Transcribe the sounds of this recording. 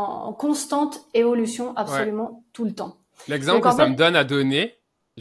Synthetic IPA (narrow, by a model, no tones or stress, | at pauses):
kɔ̃st̪ɑ̃t̪evɔlysjɔ̃ʔapsɛɔlymɑ̃t̪ulət̪ɑ̃ | lɛɡzɑ̃plkʁd̪saməd̪ɔnad̪ɔne | ʒ